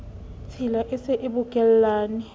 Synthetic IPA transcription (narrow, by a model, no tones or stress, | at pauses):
t͡sʰilaʔɪsɪʔɪbʊkʼɛl̩laːnɪ